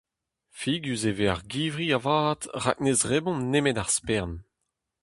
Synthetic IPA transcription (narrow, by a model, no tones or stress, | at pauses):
fiːɡjyzeveaʁɡiːvʁiavaːtʁa̰k̚nezʁebɔ̃nemetaʁspɛʁn